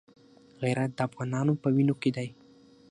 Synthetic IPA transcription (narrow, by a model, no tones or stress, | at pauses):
ɣajɾat̪̚d̪əafɣɑnɑnopəwinoked̪aj